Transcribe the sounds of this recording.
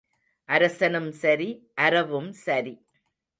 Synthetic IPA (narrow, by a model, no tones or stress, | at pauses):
ʔɐɾɐsɐnɐmsɐɾiʔɐɾɐʋɯmsɐɾi